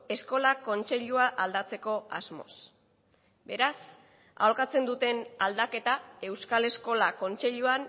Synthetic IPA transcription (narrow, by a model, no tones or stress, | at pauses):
e̞sko̞lako̞nt͡se̞ʎuaʔald̪at͡se̞ko̞azmo̞̰s | be̞ɾas | a̰oɾkat͡se̞nd̪ut̪e̞nald̪ake̞t̪ae̞wskale̞sko̞lako̞nt͡se̞ʎuan